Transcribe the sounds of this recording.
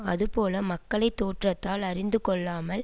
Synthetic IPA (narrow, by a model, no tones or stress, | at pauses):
ɐðɯpoːlɐmɐkːɐɭɐɪt̪ːoːʈrɐt̪ːaːlɐrɪnd̪ɯkɔɭːaːmɐl